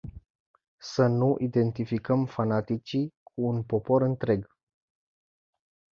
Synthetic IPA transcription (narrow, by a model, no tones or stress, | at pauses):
sənuʔid̪e̞nt̪ifikəmfanat̪it͡ʃikʰuːnpo̞po̞ɾɨnt̪ɾe̞ɡ